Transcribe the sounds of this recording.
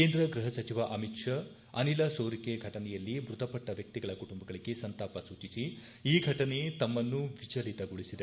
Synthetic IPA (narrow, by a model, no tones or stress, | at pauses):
keːnd̪ɾɐɡɾuɦɐsɐt͡ʃiʋɐʔɐmitʂɐ | ɐnilɐsoːɾikeɡʱɐʈɐnɛjɐlːimɾud̪ɐpɐʈːɐʋjɐk̚t̪iɡɐɭɐkuʈumbɐɡɐɭiɡe̞sɐnt̪aːpɐsuːt͡ʃisi | iːɡʱɐʈɐne̞t̪ɐmːɐnːuʋit͡ʃɐlit̪ɐɡuɭisid̪e